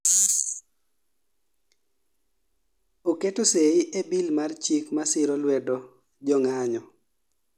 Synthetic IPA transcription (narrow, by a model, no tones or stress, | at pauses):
oketoseiʔebilmart͡ʃikmasɪɾɔlwɛdɔ | d͡ʒɔŋaɲɔ